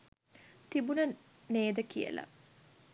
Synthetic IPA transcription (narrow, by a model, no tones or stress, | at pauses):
t̪ibunə | neːd̪əkijə̰lɐ̰